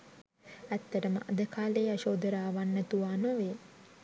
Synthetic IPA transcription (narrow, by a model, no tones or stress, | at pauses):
æt̪ːəɾəmə̰ʔɐd̪əkʰaːleːɐʃoːd̪əɾaːʋanːət̪uʋaːnoʋeː